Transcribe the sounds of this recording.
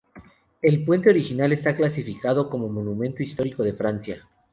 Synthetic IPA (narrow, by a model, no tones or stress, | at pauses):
e̞lpwe̞nt̪e̞o̞ɾixinale̞st̪aklasifikað̞o̞ko̞mo̞mo̞nũmẽ̞nt̪oist̪o̞ɾiko̞ð̞e̞fɾansja